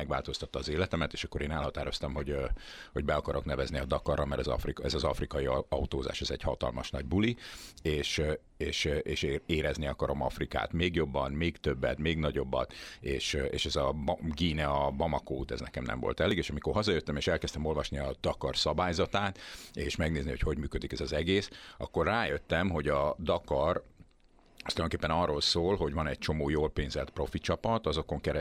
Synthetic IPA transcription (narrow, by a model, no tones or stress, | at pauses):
ɛɡva̰ːlt̪o̞st̪ɒt̪ːɒːzeːlɛt̪ɛmɛt̪eːʃɒkːo̞ɾeːnɛlhɒt̪aːɾo̞st̪ɒmɦo̞ɟho̞ɟbɛɒkɒɾoknɛvɛzniɒd̪ɒkɒrʔɒmɛɾɛzɒ̰frikɛzɒzɒfrikɒjiɒut̪oːza̰ːʃɛzɛɟhɒt̪ɒ̰lmɒ̰ʃnɒɟbulieːʃ | eːʃʔeːʃeːɾɛzniɒkɒɾo̞mɒ̰frika̰ːt̪meːɡjo̞bːɒnmeːɡt̪øbːɛ̰t̪meːɡnɒɟo̞bːɒ̰t̪eːʃḛːʃɛzɒɡiːnɛɒbɒmɒkoːt̪ɛ̰znɛ̰kɛ̰mnɛ̰mvo̰lt̪ɛleːɡeːʃɒmiko̞rɦɒzɒjøt̪ːɛmeːʃɛlkɛst̪ɛmo̞lvɒʃniɒd̪̥ɒkɒrsɒbaːjzɒt̪aːt̪eːʃmɛɡneːzniocho̞ɟmyːkød̪ikɛzɒzɛɡeːsɒ̰kːo̞rːaːjøt̪ːɛmɦo̞ɟɒd̪ɒkɒr | st̪ljd̪oŋkeːpːɛnɒrːolsoːlɦo̞ɟvɒnɛc̚t͡ʃo̞moːjoːlpeːnzɛlt̪pro̞fit͡ʃɒpɒt̪ɒzo̞ko̞ŋkɛɾɛ